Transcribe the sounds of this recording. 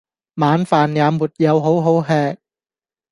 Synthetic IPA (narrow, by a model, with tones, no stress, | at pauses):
maː˨˧nfaː˨njaː˨˧muː˨˩t̚jɐ˨˧wɦo˨˥wɦo˨˥wɦɛː˧k̚